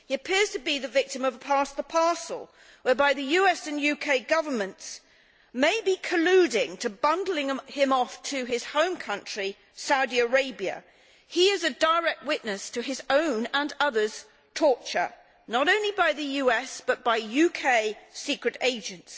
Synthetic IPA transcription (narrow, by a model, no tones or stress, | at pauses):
hiɨpʰɪɹz̥tʰɨbiðɨvɪk̚tɨ̃mʌv̥əpʰɑsðəpʰɑɹsl̩ˠ | wə˞baɪðɨjʉɛsɨ̃njʉkʰeɪɡʌvə˞mɨ̃nts | meɪbikʰɨlʉɾɪ̃ŋtʰɨbʌ̃ndˡl̩ˠɪ̃ŋɪ̃mɔftʰɨɪz̥hõʊ̃mkʰʌ̃nt͡ʃɹ̥i | saʊɾiə˞eɪbiɨ̰ | iɪzɨdə˞ɛk̚t̚wɪʔⁿnɨstʰɨɨzõʊ̃nə̃nʌðə˞z̥ | tʰɔɹt͡ʃə̰˞ | nəɾõʊ̃nlibaɪðɨjʉɛsb̥ʌt̚b̥aɪjʉkʰeɪsikɹɨɾeɪd͡ʒɨ̃nts